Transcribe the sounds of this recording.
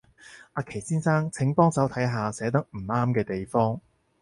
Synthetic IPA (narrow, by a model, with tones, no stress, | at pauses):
ʔaː˧kʰe˨˩jsiː˥nsaː˥ŋt͡sʰɪ˨˥ŋpɔː˥ŋt͡sɐ˨˥wt̪ʰɐ˨˥jɦaː˨˧sɛː˨˥t̪̬ɐ˥k̚m̩˨˩aː˥mkɛː˧t̪e˨jfɔː˥ŋ